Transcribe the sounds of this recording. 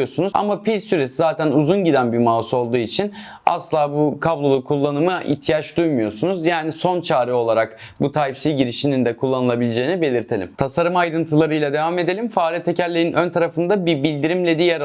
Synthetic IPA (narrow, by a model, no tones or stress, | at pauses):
osunuza̰mapilʲsyɾesizaːt̪ʰænuzunɟid̪ænbimaːuso̞lˠd̪uːit͡ʃʰin | a̰slˠaːbukʰablˠo̞lˠukʰulˠːanɯmɯʔḭt̪ʰːijat͡ʃd̪ujmujo̞sunuzjaːniso̞nt͡ʃʰaːɾio̞lˠaɾak | but̪ʰaːipsizɟiɾiʃinind̪ɛkʰulˠːanɯlˠabilʲed͡ʒe̞ːinibe̞lʲiɾt̪ʰe̞lʲḭmt̪ʰasaɾɯmajɾɯnt̪ʰɯlˠaɾɯjlˠad̪e̞vame̞d̪e̞lʲimfaːlʲijɛt̪ʰːecʰælʲːeinʔønt̪ʰaɾafɯnd̪abibilʲd̪iɾimlʲɛd̪ijaɾ